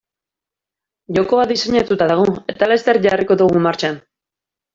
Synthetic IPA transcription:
ʝo̞ko̞aðiseɲat̪ut̪aðaɣ̞oe̞t̪alest̪eɾʝariko̞ðuɣ̞umaɾt͡ʃan

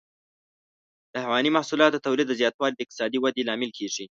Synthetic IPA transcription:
d̪̥əhawɑnimahsulɑt̪d̪ət̪awlid̪ːəzjɑt̪wɑlid̪əɪq̚t̪ɪ̥sɑd̪iwad̪elɑmɪlkʰeʐi

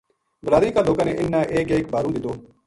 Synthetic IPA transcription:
bəlaːɾiːkaːloːkaːnẽːʔɪnːãːʔeːkeːkbaːɾũːd̪ɪt̪oː

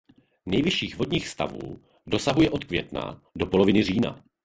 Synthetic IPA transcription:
nɛjvɪʃiːxvodɲiːxst̪a̰vṵː | do̞saɦujɛʔo̞t̪kvjɛ̰t̪na̰do̞po̞lovɪnɪr̝iːna̰

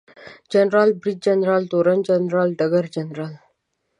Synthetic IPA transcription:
d͡ʑənɾalbɾid͡ʑd͡ʑənɾalt̪oɾənd͡ʑənɾalɖəɡəɾd͡ʑənɾal

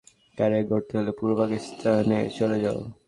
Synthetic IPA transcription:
kaɾeɡʱoɾt̪eɦolepuɾopakist̪ʰanet͡ɕoled͡ʑao̰

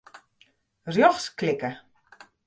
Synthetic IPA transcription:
rjɔxsklɪkə

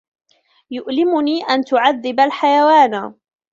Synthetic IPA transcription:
jʊʔlɪmʊniːʔant̪ʊʕaðːɪbalħajawaːn

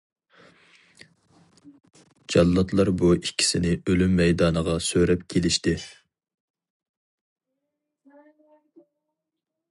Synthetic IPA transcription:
d͡ʒɑlːɑt̪ʰlˠɑɾbuikʲʰːi̥sɪnɪʔølymːɛjd̪ɑːnəʁɑsøɾɛpkʲʰelɪʃt̪ɪ

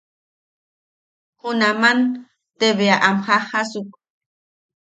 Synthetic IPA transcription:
hʊnaman | t̪eβeaʔamxaχasʊk

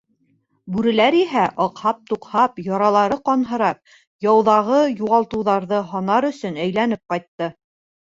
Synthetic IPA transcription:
bʉɾɘ̆læɾiɦæʔɒqhɑp̚t̪uqhɑpjɑɾɑlˠɑɾɤqɑnɦɤ̆ɾɑp̚ | jɑwðɑʁɤjuʁɑlˠt̪ɤ̆wðɑɾðɤɦɒnɑɾɵ̆sɵnæjlæn̪ɘp̚qɑjt̪ːɤ

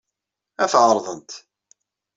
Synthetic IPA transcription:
æθʕəɾˤðˤənt̪

